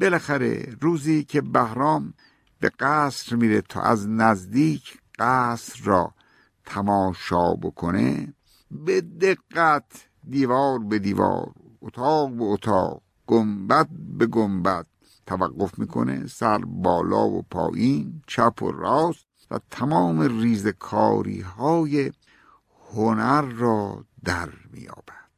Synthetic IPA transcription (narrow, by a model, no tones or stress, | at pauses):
belæxæɾe̞̰ɾuːziːkʰe̞bæhɾɒːm | beɡæːsɾmiːɾet̪ʰɒ̰ːʔæ̰znæzd̪iːkʰ | ɢ̥æsɾːɒ̰ː | t̪ʰæmɒːʃɒːbo̰kʰonḛ | bed̪eɡːæt̪ʰ | d̪iːvɒːɾbe̞d̪iːvɒ̰ːɾ | ot̪ʰɑːqbeot̪ʰɑ̰ːq̚ | ɡ̥ombæt̪̚be̞ɡombæt̪̚ | tʰːævæɡːo̞fmiːkʰo̞̰ne̞̰sæɾbɒːlɒːvo̰pʰɒ̰ːʔiːnt͡ʃʰæpʰo̰ɾɒːst̪ | væ̰t̪ʰæmɒːmeriːzekʰɒːɾḭːɦɒːje | honæɾːɒːd̪æɾmḭːjɒ̰ːb̥æd̪̥